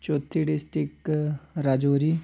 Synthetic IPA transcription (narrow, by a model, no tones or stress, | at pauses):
t͡ʃoːt̪ʰːiɖɪsʈɪkɾad͡ʒoːɾiː